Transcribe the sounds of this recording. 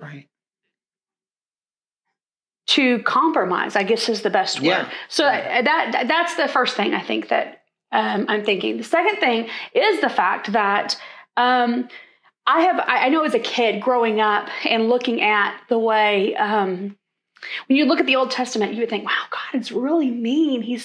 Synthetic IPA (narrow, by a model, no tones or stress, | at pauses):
ɹaɪt̚ | tʰɨkʰɑ̃mpɹɨma̰ɪz̥aɪɡɛsɨzðɨbɛst̚wɜ̰˞soʊðæt̪̚ððætsðɨfɜ˞st̪θɪ̃ŋa̰ɪθɪ̰̃ŋk̚ðɨ̰ɾ̚ | ʌ̃mã̰ɪ̃mθɪ̃ŋkɪ̰̃ŋðɨsɛkɨ̃nθɪ̃ŋɪzðəfæk̚t̪̚ðəɾʔʌ̃m | ʔaɪɨva̰ɪʔaɪnoʊɨzɨkʰɪd̚ɡɹoʊɪ̃ŋʌpɨ̃nlʊkɪ̃ŋʔɨt̪̚ðəweɪʌ̃m | wɨ̃njɨlʊkɨt̪̚ðioʊlˠd̚tʰɛstɨmɨ̃nt͡ʃjɨwɨd̥̪̚θɪ̃ŋwaʊɡ̥ɑɾɨzɹɪlˠiminiz̥